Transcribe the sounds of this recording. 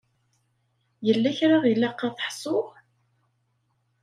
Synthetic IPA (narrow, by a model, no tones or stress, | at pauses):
jəlːæçɾaʁjəlːæqːɑθə̥ħsˤoʁ